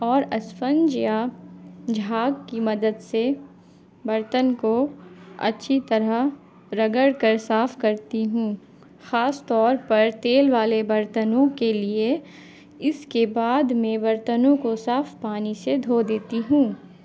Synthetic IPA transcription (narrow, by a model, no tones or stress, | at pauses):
ɔːɾɐsfənd͡ʒja | d͡ʒʱaːɡkimɐd̪əd̪se | bɐɾt̪ənkoɐ̰tːʃʰit̪ɐɾə | ɾɐɡəɽkəɾsaːfkɐɾt̪iɦũː | xaːst̪ɔːɾpɐɾt̪eːlʋaːlebɐɾt̪ənõkelie | ɪskebaːd̪mẽʋɐɾt̪ənõkosaːfpaːnised̪ʱoːd̪eːt̪iɦũː